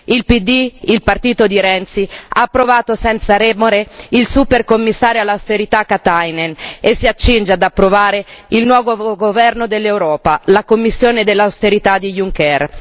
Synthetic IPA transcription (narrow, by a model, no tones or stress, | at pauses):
ilpid̪iilpart̪iːt̪od̪iɾɛnt̪siaːpːɾovaːt̪osɛnt̪saɾɛmoɾeilsuperkomːisːaːɾjoalːawst̪eɾit̪akːat̪ajnenesːiat͡ʃːind͡ʒead̪apːɾovaːɾeilnwɔːvoɡovɛrnod̪elːewɾɔːpalakomːisːjoːned̪elːawst̪eɾit̪ad̪ijuŋkɛr